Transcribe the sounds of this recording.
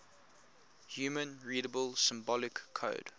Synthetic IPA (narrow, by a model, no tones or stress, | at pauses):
hjuːmə̃nɹiːɾəbəlˠsɪ̃mbɔlɪkʰːo̰ʊd̥